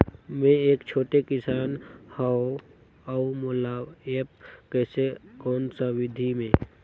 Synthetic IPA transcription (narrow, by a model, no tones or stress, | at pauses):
mẽeːkt͡ʃʰoːʈekɪsaːnhao | aumolaːeːp̚kɛːsekɔːnsawɪd̪ʱimẽ